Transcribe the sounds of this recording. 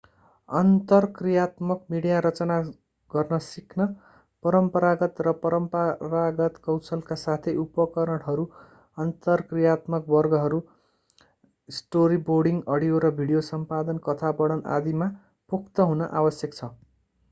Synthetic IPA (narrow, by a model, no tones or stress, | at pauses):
ʌnt̪ʌrkrijat̪mʌkmiɽijaɾʌt͡sʌna | ɡ̥ʌrnʌsikʰnʌ | pʌɾʌmpʌɾaɡʌt̪rʌpʌɾʌmparaɡʌt̪kʌwsʌlkasat̪ʰeupʌkʌɾʌɽɦʌɾu | ʌnt̪ʌrkrijat̪mʌk̚bʌrɡʌɦʌɾu | sʈoɾiborɽiŋɡʌɽijoɾʌbʱiɽijosʌmpad̪ʌnkʌt̪ʰabʌɽ̃ʌna̰d̪ima | pukʰt̪ʌɦunʌʔawʌsjʌkt͡sʰʌ